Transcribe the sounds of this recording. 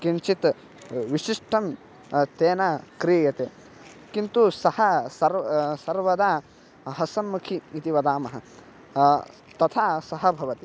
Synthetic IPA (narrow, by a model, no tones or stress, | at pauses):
kint͡ʃit̪ | ʋiʃiʂʈʰɐm | t̪eːnɐkɾiːjɐt̪eː | kint̪usɐhɐsɐɾsɐɾʋɐd̪a | ɦɐsɐnmukʰiːt̪iʋɐd̪aːmɐɦɐ̆ | t̪ɐt̪ʰaːsɐɦɐbʱɐʋɐt̪i